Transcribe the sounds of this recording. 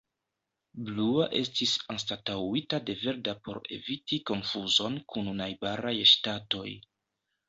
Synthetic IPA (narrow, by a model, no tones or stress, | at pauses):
bluaʔe̞stisanstatawitade̞ve̞ɾdapo̞ɾe̞̰vitiko̞nfuzo̞nkʰununajbaɾajʃtato̞j